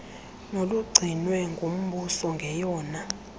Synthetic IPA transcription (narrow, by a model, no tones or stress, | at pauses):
noluɡ͡ǀʱinwɛŋɡʱom̩ɓusɔŋɡʱɛjɔːna